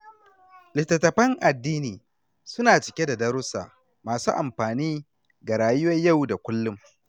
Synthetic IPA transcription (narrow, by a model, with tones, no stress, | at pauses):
lɪ˨tːɐ˨tːɐ˨ɸɐ˦ŋʔa˨dːiː˦niː˨ | sʊ˦naː˨t͡ʃɪ˨kʲe˦da˨dɐ˦ɾʊ˦sa̰˨ | maː˨suː˦ʔa˨mɸaː˨niː˦ | ɡa˨ɾaː˨jʊ˦wɐ˦ɲja˦˨wda˨kʷʊ˦lːʊ˦m